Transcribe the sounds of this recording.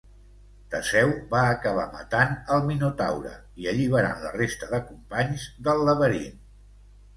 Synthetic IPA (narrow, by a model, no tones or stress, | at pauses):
t̪əsɛwbaəkəβ̞amə̰t̪anəlˠminut̪a̰wɾə̰ | iəʎiβ̞əɾa̰nlə̰rest̪əðəkumpaɲzðəlˠːəβəɾḭn